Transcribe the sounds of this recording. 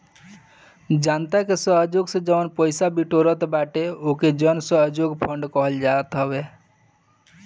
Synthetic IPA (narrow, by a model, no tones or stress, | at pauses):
d͡ʒant̪akesəɦd͡ʒoɡsẽd͡ʒənpəjsabiʈoɾət̪baʈeoked͡ʒənsəɦd͡ʒoɡpʰəɳɖkɔɦəld͡ʒaət̪ɦəbe